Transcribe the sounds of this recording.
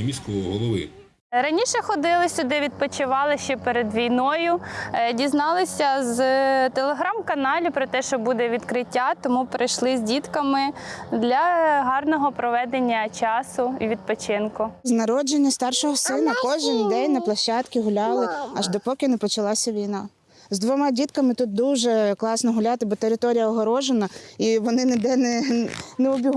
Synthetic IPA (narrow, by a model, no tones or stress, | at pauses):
mʲisʲkɔʋɔɦɔlˠɔʋɪ̰ | ɾɐnʲiʃɛxɔd̪ɪlˠɪsʲʊd̪ɛʋʲid̪̚pɔt͡ʃɪʋɑlˠɪʃt͡ʃɛpeɾed̪ʋʲijnɔjʊdʲiznɑlˠɪsʲɐzt̪elˠeɦɾamkɐnɑlʲʊpɾɔt̪ɛʃt͡ʃɔbud̪ɛʋʲid̪kɾɪtʲːat̪ɔmupɾɪjʃlˠɪzʲdʲit̪kɐmɪd̪lʲɐɦɑrnɔɦɔpɾɔʋɛd̪enʲːɐt͡ʃɑsʊiʋʲid̪̚pɔt͡ʃɪnkʊznɐɾɔd͡ʒenʲːɐst̪ɑrʃɔɦɔsɪnɐkɔʒɪnd̪ɛjʲnɐplˠɐʃːɑt̪kʲɪɦʊlʲɑlˠɪɐʒd̪ɔpɔkʲɪnɛpɔt͡ʃɐlˠɑsʲɐʋʲijnɑ | zd̪ʋɔmɑdʲit̪kɐmɪt̪ut̪̚d̪uʒɛklˠɑsnɔɦʊlʲat̪ɪbɔt̪eɾɪt̪ɔɾʲijɐɔɦɔɾɔʒenɐiʋɔnɪnɪd̪ɛnɛnɛɔbʲiɦ